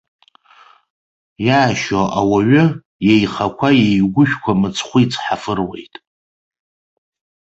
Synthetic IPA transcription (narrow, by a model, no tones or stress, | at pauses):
jaːʃoʔawaɥʊ | jejχakʷʰajejɡʷʊʃᶣkʷʰamɨt͡sʰχʷʊit͡sʰʼħafɨrwe̞̰jtʼ